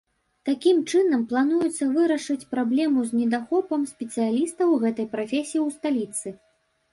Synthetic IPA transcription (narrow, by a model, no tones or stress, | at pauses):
t̪akʲimt͡ʂɨnɐmplˠan̪ujɛt̪sːɐvɨɾɐʂɨt͡sʲpɾablʲɛmuzʲnʲɛd̪axɔpɐmsʲpʲɛt̪sɨjalʲist̪ɐwɣɛt̪ɐjpɾafʲesʲijiwst̪alʲit̪sɨ